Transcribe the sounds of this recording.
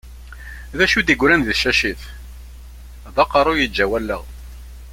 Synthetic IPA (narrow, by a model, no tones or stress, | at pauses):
ðæʃud̪iɡʷɾænðʃæʃiθ | ðɑqɑɾˤʊjəd͡ʒːæwælːə̰ʁ